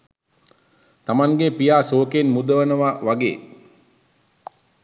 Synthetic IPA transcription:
t̪amaŋɡepijaːsoːkenmud̪əʋənəʋaʋaɡḛː

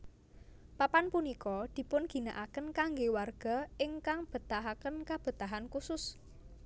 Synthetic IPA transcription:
papanpunikɔd̪̥i̤pʊnɡ̥i̤naʔakənkaŋɡewarɡ̥a̤ɪŋkaŋb̥ə̤t̪aɦakənkab̥ə̤t̪aɦankusʊs

